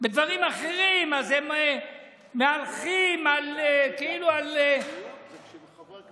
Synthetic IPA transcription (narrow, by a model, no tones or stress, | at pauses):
bed̪vaʁimaχeʁimazemː | ealχimalekeilual